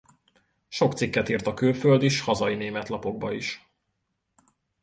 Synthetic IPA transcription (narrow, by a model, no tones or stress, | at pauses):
ʃo̞kt̪sikːɛt̪iːrt̪ɒkylføld̪iʃhɒzɒineːmɛt̪lɒpo̞ɡ̚bɒiʃ